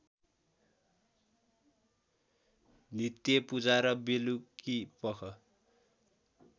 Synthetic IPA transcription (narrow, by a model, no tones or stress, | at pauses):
nit̪jʌpud͡zaɾʌbelukipʌkʰʌ